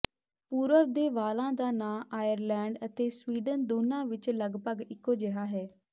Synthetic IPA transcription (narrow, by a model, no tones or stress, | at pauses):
puːɾəʋd̪eːʋaːlãːd̪aːnaːʔaːjəɾlɛːɳɖət̪eːsʋiːɖənd̪oːnãːʋɪt͡ʃləɡpəɡɪkːoːd͡ʒəɦaːɦɛː